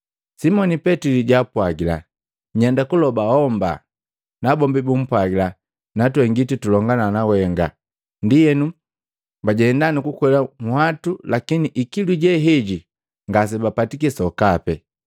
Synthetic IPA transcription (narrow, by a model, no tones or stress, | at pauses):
simɔnipɛtiliɟapwaɡila̰ | ɲɛndakulɔbahɔmba̰ | nabɔmbibum̩pwaɡila | natwɛŋɡititulɔŋɡananawɛŋɡa | ndijɛnu | baɟɛɛndanikukwɛlamuhatulakiniʔikiluɟɛɦɛɟi | ŋɡas̬ɛbapatik̬ɛsɔkapɛ